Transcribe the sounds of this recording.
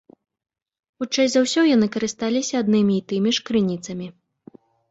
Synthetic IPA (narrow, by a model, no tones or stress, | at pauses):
xut͡ʂajʲzawsʲɔjanɨkɐɾɨst̪alʲisʲɐːd̪nɨmʲiːt̪ɨmʲiʂkɾɨnʲit̪sɐmʲi